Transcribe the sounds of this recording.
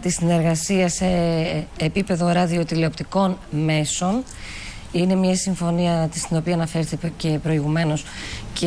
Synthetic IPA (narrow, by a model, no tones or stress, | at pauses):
t̪isine̞ɾɣɐsiɐse̞ː | pipe̞ðo̞ɾɐðio̞t̪ile̞opt̪iko̞nme̞so̞n | ine̞mɲɐsiɱfo̞niɐt̪st̪ino̞piɐːnɐfe̞ɾθice̞pɾo̞iɣume̞no̞sce